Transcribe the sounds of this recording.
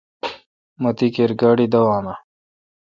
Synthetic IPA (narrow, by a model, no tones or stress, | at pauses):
mɐt̪ikeɾɡaːɽid̪ɐwaːna